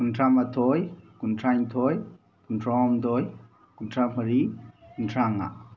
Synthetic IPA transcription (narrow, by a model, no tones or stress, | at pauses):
kuntʰɾamat̪ʰɔjkuntʰajŋt̪ʰɔj | kuntʰrɔɔmt̪ɔj | kuntʰamhaɾikuntʰɾaŋa̰